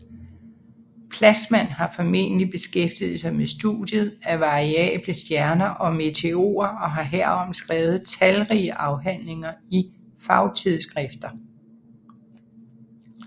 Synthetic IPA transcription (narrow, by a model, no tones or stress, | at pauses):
pʰlæsmæn̰ɦɑ̈fɒ̽me̝̰ːnəlib̥e̝sɡ̥efd̥iːð̩ˠsɑ̈ɪmesd̥ṵd̥ˠjəð̩ˠæʋɑ̈ʁiɛ̰ːb̥ləsd̥jæɐnɐʔɒ̽me̝t͡sʰe̝o̝̰ːɐɒ̽ɦɑ̈ɦeɐ̰ɒ̽m̰sɡ̥ʁɛːʊð̞̩ˠt͡sʰælʁiəʔɑ̈ʊɦæn̰le̝ŋɐi | fɑ̈ʊt͡sʰiðˠsɡ̥ʁɛfd̥ɐ